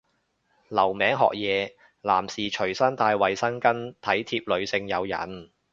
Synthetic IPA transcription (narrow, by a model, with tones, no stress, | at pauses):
lɐ˨˩wmɛː˨˥ŋɦɔ̰ː˨k̚jɛː˨˧ | la̰ː˨˩msiː˨t͡ʃʰɵ˨˩ɥsɐ˥nt̪aː˧jwɐ˨jsɐ˥nkɐ˥nt̪ʰɐ˨˥jt̪ʰiː˧p̚lɵ˨˧ɥsɪ˧ŋjɐ˨˧wjɐ̰˨˩n